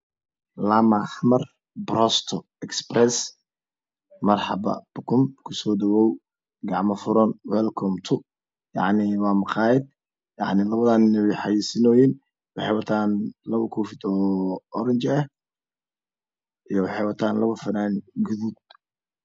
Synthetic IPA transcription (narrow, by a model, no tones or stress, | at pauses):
lamɐħmɐr | bɾɔst̪ʰɔ | ɛksprɛs | mɐrħɑ̰bɐ̰b̥ʊkʰʊmkʰʊsɔːd̪ɐwɔːw | ɡɑʕmɐfʊɾɔnwɛlkʰɔmt̪ʰʊ | jɑ̰ʕnɪwɑːmɐqaːjɛd̪̚ | jɑ̰ʕnɪlɐβɐðaːnɪnɛβɛjħɑjiːsɪnɔːjin | wɑħɑjwɑt̪ʰaːnlɐβʊkʰɔfɪd̪ɔɔɾɐɲt͡ʃɛ | ʔijɔwɑħɑjwɑt̪ʰaːnlɐβɐfɐnaːnɡʊðuːd̪